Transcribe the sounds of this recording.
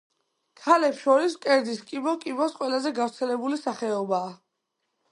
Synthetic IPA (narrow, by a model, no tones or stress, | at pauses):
kʰalɛpsʃɔɾiskʼɛɾd̪iskʼibɔkʼibɔsqʼwɛlazɛɡavɾt̪sʰɛlɛbulisaχɛɔbaː